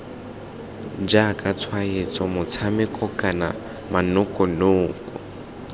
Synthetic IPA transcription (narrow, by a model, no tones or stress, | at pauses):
d͡ʒakʼat͡sʰwaet͡sʼɔmʊt͡sʰamɪkʼɔkʼana̰ | manʊkʼɔnoːkʼɔ